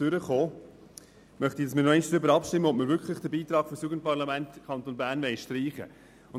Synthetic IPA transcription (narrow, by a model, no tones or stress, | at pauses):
ʏɾəχoː | mœχtid̥ɑsmɪːnɔɛɪnʃd̥ɾʏbəɾɑpʃtɪmːəɔp̚məɾvʏkχlɪχd̥əbiːt̪ɾɑːɡ̥fɔsjuːɡənt̚pɑɾlɑmæntkʰχɑnt̪oːnbæːɾnʋɛɪʃtɾiːχə̰ | ʊn